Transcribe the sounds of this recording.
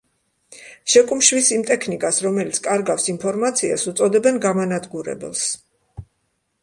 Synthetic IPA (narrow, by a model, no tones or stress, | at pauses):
ʃɛkʼumʃwisimt̪ʼɛkʰnikʼasɾɔmɛlit̪sʰkʼaɾɡafsinpʰɔɾmat̪sʰia̰sut̪sʼɔd̪ɛbɛnɡamanad̪ɡuɾɛ̰bɛ̰lˠs